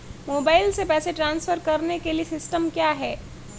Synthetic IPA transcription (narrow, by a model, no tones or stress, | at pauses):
moːbaːɪlsepɛːseʈɾãːnsfəɾkɐɾnekeliesɪsʈəmkjaːɦɛː